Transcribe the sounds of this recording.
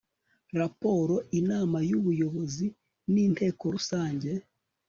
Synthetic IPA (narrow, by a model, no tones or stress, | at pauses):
ɾapo̞ɾo̞ʔinaːmajuβujo̞βo̞zi | niːntʰe̞ːko̞ɾusaːɲɟe̞